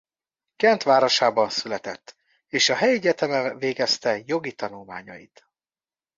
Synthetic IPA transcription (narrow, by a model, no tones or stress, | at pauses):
kɛnt̪ʋaːɾoʃaːbɒnsylɛt̪ɛ̰t̪ː | eːʃɒɦɛjiɟɛt̪ɛmɛlveːɡɛst̪ɛjo̞ɡit̪ɒnulma̰ːɲɒ̰jḭt̪